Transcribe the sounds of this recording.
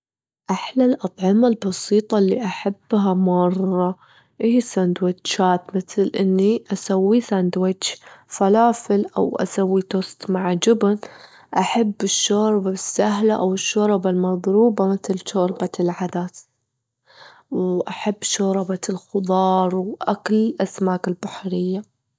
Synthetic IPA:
ʔaħlalʔɑt̪ˤʕɪmalbɑsiːt̪ˤɑlːiʔaħab̥ːɦamɑrˤːɑ | ʔihisand̪wɪtːt͡ʃaːt̪mɪt̪lʔɪnːiʔasawːisand̪wɪt͡ʃːfalaːfɪlʔa̰wʔa̰sawːit̪ost̪maʕd͡ʒʊbn | ʔaħabːɪʃːoːɾbabɪsːaɦlaʔawɪʃːoːɾˤɪbalmɑðˤɾuːbamɪθlʃoːɾbalʕad̪aːt̪ | wʔaħabːʃoːɾˤɑbalxʊðˤɑːɾˤwʔaklʔasmaːkɪlbaħɾɪjːa

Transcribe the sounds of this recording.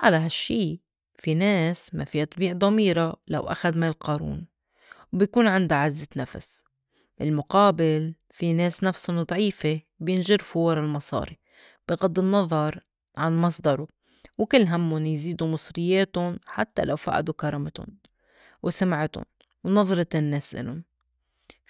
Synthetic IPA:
ʕalaɦaʃːiː | fineːsmafiʔɨt̪ˤbiːʕd̪ˤɑmiːɾɑla̰wʔa̰xad̪maːlqɑːɾṵːn | wbjkuːnʕɪnd̪aʕazːɪnafa̰s | bɪlmʊqɑːbɪl | fineːsnafsʊnd̪ˤʕiːfe | bjɪnʒɪɾfuwɑɾˤɑlmɑsˤɑ̰ːɾi | b̥ɪɣɑd̪ˤːɪnːɑðˤɑɾˤ | ʕanmɑsˤd̪ɑɾˤu | wkɪlːɦamːʊnjziːd̪umɨsˤɾɪjːeːt̪ʊnħa̰t̪ːa̰lawfa̰ːʔa̰d̪ukɑɾˤɑmat̪ʊ̰n | wsamʕɪt̪ʊ̰n | wnɑðˤɾˤɑt̪ɪnːeːsʔɪ̰lʊn

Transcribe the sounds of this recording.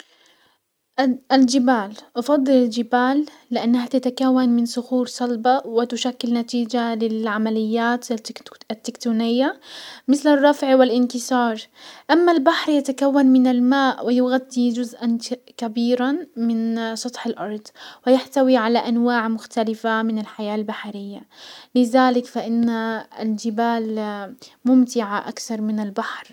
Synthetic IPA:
ʔʔald͡ʒɪbaːlʔɑfɑd̪ˤːɨlɪld͡ʒɪbaːlː | ɪʔanːahat̪at̪akawːanmɪnsʊxuːɾsˤɑlbɑwɪt̪ʊʃakːɪlnat̪iːd͡ʒalɪlʕamalɪjːaːt̪at̪ːɪkt̪uːnɪjːamɪθlɪrˤːɑfʕwɪlʔɪnkɪsˤɑːɾˤʔamːalbaħɾjat̪akawːanmɪnɪlmaːʔwɪjʊɣad̪ːid͡ʒʊzʔankabiːɾanmɪnsˤɑt̪ˤħalʔɑɾˤd̪ˤwɪjaħt̪awiʕalaʔanwaːʕmʊxt̪alɪfamɪnɪlħajaːlbaħaɾɪjːalɪðaːlɪkfaʔɪnːaɪld͡ʒɪbaːl | mʊmt̪ɪʕaʔa̰kθɑɾˤmɪnɪlbaħɾ

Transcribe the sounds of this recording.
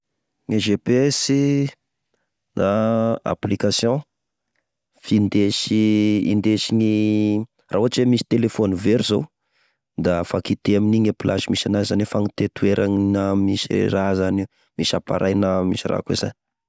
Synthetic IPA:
ŋeʒepsi | naa̰plikasjɔ̃ | find̪esiḭnd̪esiɲi | rʔauaʈ͡ʂemisi̥t̪elefoniveɾizow | d̪afakit̪eaminiɲapilʔaʃimisanazanefaŋit̪et̪ueɾʔaŋnamisirazani | misapa̰ɾʔajnamisira̰kṵza̰ni

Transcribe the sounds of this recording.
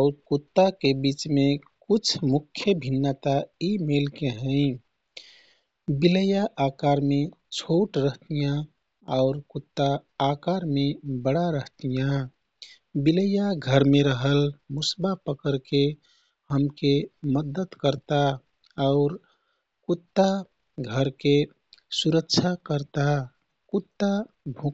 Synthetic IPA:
ɔʊɾt̪kut̪ːakebit͡ʃmekut͡ʃʰmukʰːjəbʱinːət̪aimelkeɦə̃ɪ | biləjaʔakaɾmet͡ʃʰoʈɾəɦt̪ijã | aʊɾkut̪ːaː | kaɾmebəɽaɾəɦt̪ijã | biləjaɡʱəɾmeɾəɦəlmusbapəkəɾke | həmkeməd̪ət̪kəɾt̪a | ʊɾ | kut̪ːa | ɡʱəɾke | suɾəkt͡ʃʰakəɾt̪a | kut̪ːabʱu

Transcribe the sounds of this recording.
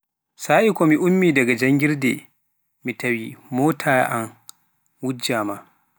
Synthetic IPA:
saːʔikɔmiʔumːiːdaɡad͡ʒaŋɡiɾdɛ̰ | mitawimoːtʰaːʔan | wud͡ʒːaːma

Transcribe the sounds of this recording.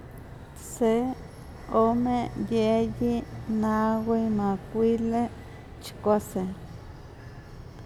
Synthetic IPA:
se | omejejinaɡijmãkʷile | t͡ʃkʷase

